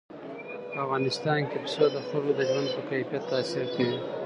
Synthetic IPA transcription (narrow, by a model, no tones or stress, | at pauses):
afɣɑnɪst̪ɑnkepsod̪əxalod̪əʒwand̪̚pəkajfijat̪ːaːsɪɾkawi